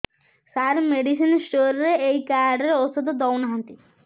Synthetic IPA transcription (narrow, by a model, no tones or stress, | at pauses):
saɾmeɖis̬insʈoɾɾeejkaɾɖeɾost̪ʰod̪od̪ɔwnɦant̪i